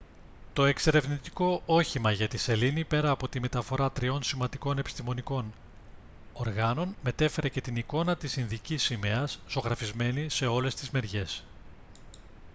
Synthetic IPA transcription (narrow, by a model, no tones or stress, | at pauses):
t̪o̞e̞kse̞ɾe̞vnit̪i̥ko̞ʔo̞çimɐʝɐt̪ise̞linipe̞ɾɐːpo̞t̪ime̞t̪ɐfo̞ɾɐt̪ɾio̞nsimɐnd̪iko̞ne̞pi̥st̪imo̞niko̞n | oɾɣɐno̞nme̞t̪e̞fe̞ɾe̞ce̞t̪iniko̞nɐt̪isinðicisime̞ɐszoɣɾɐfizme̞nise̞o̞le̞st̪izme̞ɾʝe̞s